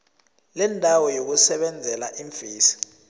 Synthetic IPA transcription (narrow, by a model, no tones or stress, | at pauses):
lɛndʱawɔjok̬usɛɓɛnd͡zʱɛlaʔiɱfiːsi̥